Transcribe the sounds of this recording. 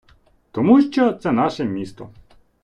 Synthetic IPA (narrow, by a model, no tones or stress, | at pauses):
t̪ɔmuʃt͡ʃɔt̪sɛnɑʃɛmʲist̪ɔ̰